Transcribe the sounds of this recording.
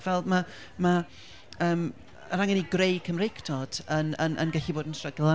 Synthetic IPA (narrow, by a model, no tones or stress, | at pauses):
vɛlˠdma | ma | əːm | ɾaŋɛniɡrejkʰəmrejkʰtʰɔd̥ənənʔə̰nɡɛɬiboːdən̩srəɡɪlˠa